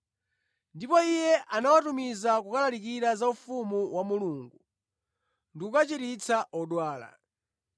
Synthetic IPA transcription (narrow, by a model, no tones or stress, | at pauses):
ndipɔijɛʔanawatumizakukalalikiɾazaufumuwamuluŋɡu | ndikukat͡ʃiɾit͡saʔɔɗwaːla̰